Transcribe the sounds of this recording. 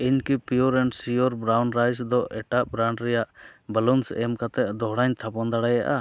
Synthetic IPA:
iɲkipijɔɾɛɳɖsijɔɾbɾawnɾajsd̪ɔɛʈaʔbɾaɳɖɾɛjaʔbəlɔnsɛmkat̪ɛʔd̪ɔɦɽaɲt̪ʰapɔnd̪aɽajaʔa̰

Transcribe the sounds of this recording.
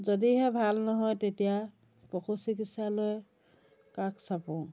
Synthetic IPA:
zɔdiɦɛbʱalnɔɦɔjtetija | pɔkʰosikisaloj | kakʰsapɔ̃

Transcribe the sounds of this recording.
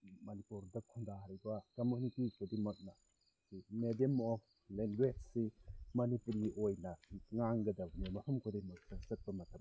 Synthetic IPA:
mɐnipuɾdɐkʰuŋdahɾibɐkɐmjunitikʰodimɐk̚nɐ | simedemːɔ | leŋɡwed͡ʒsimɐnipuɾiojnɐŋaŋɡɐdɐnemɐpʰumkʰodimɐk̚sɐsɐt̚bɐmɐtʰɐm

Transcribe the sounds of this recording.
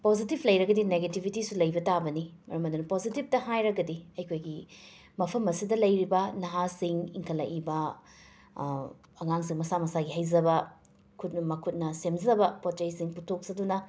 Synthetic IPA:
pozitipʰlɐjɾɐɡɐdineɡetibʱitisulɐjbɐtabɐnimɐ̰ɾɐmɐdunɐpozitip̚tɐhajɾɐɡɐdiɐjkʰojɡi | mɐpʰɐmɐsidɐlɐjɾibɐnɐɦasiŋiŋkʰɐlːɐ̰ʔibɐ | ɐŋaŋsiŋmɐsamɐsaɡiɦɐjzɐbɐ | kʰut̚nɐmɐkʰut̚nɐsemzɐbɐpot͡ʃɐjsiŋputʰok̚zɐdunɐ

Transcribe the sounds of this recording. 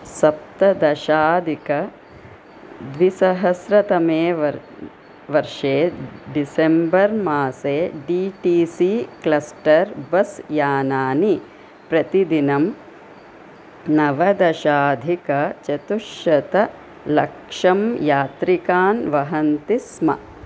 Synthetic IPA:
sɐp̚t̪ɐd̪ɐʃaːd̪ʱikɐ | d̪ʋisɐɦɐsɾɐt̪ɐmeːʋɐ | ʋɐɾʂeːɖisembɐɾmaːseːɖiːʈiːsiklɐsʈɐɾbɐsjaːnaːni | pɾɐt̪id̪inɐm | nɐʋɐd̪ɐʃaːd̪ʱikɐt͡ʃɐt̪uʃɐt̪ɐ | lɐ̰kʂɐmjaːt̪ɾikaːnʋɐɦɐnt̪ismɐ̰

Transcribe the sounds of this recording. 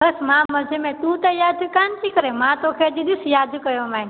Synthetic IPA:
bəsmãːməd͡ʒʱemẽt̪ũːt̪ɐjaːd̪ʱʊkaːnt̪ʰikəɾemãːt̪okʰeːd͡ʒ̪iɗ̪ɪsjaːd̪ʱkəjoːmãː

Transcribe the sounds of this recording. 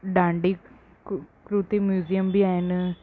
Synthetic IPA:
ɖaːɳɖi | kɾut̪imjuːzijɐmbiaːenɨ

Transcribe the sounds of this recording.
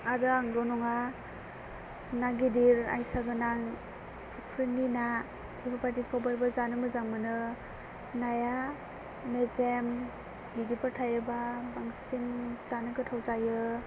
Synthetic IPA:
adɯaŋdɔnɔŋa | naɡidiɾa̰jsaɡɯnaŋ | pʰupʰɾinina | dibʰapadikʰɔwbajbazanɯmɯzaŋmɯnɯ | naja | mezem | ɡidipaɾtʰajɯbabaŋsinzanɯkɯtʰawzajɯ

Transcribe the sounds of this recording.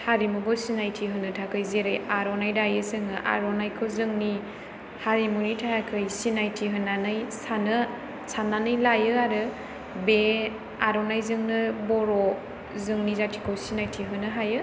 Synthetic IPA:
haɾimubɯsinajtʰiɦɯnɯtʰakʰɯjzeɾɯjaɾɔnajdajɯsɯŋɯʔa̰ɾonajkʰɯwzɯŋni | haɾimunitʰajakʰɯjsinajtʰiɦɯnːanɯjsanɯ | sananɯjlajɯaɾɯ | be | aɾɔnajzɯŋnɯbɔɾɔ | zɯŋnizatʰi̥kʰɯwsinajtʰiɦɯnɯɦajɯ

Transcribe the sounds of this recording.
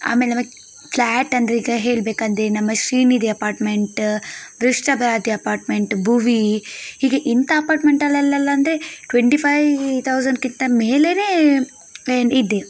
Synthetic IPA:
a̰ːmelenɐmɐɡe | pʰlaːʈːɐnd̪ɾeiːɡɐɦe̞ːɭbeːkɐnd̪enɐmːɐʃɾiːniːd̪iɐpaːɾʈmeɳʈʋiʂʈɐbʱɾaːd̪ʱiɐpaːɾʈmeɳʈbʱuʋihiːɡeʔint̪ɐːpaːɾʈmeɳʈɐlɛlːɐlːɐːnd̪ɾeʈʋeɳʈipʰajʋt̪ʰɐwzɐɳɖkint̪ɐmeːleneː | enid̪ːe

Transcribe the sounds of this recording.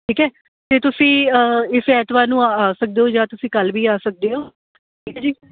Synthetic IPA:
ʈʰiːkɦɛː | t̪eːt̪ʊsĩːəɪsɛːt̪ʋaːnũːaːsək̚d̪eːɦoːd͡ʒaːt̪ʊsĩːkəlʋiːaːsək̚d̪eːɦoː | ʈʰiːkɛːd͡ʒiː

